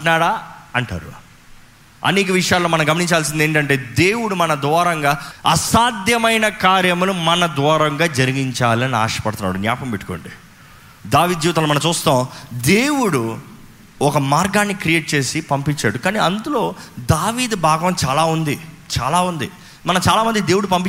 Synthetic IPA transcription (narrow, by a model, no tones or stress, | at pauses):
naːɽaːɐɳʈa̰ːɾṵ | ɐ̰neːk̬ɐʋiʂɐjaːloːmɐnɐmɡɐmɐniɲt͡ʃaːls̬ind̪eːɳʈɐɳʈe̞ːd̪e̞ːwuɽumɐnɐd̪ʋɔːɾɐŋɡaːɐsaːd̪jɐmɐjnɐkaːɾjɐmunumɐnɐd̪ʋɔːɾɐŋɡaːd͡ʒɐɾiɡiɲt͡ʃaːlɐnia̰ːʂɐ̥pɐɽt̪unːa̰ːɽunjaːpɐmpeʈːu̥koːɳɖi | d̪aːʋiːd̪̚d͡ʒiːʋt̪ɐːlːomɐnɐmt͡ʃuːst̪aːwd̪eːwuɽu | ɔkɐmaːɾɡaːnːikɾije̞ːʈ̚t͡ʃe̞ːsipɐmpiɲt͡ʃːaːɽukaːniːɐnd̪ulo̞ːd̪aːʋiːd̪ubʱaːɡɐmt͡ʃaːlaːund̪it͡ʃaːlaːund̪i | mɐnɐmt͡ʃaːlaːmɐnd̪id̪eːwuɽup̬ɐmpi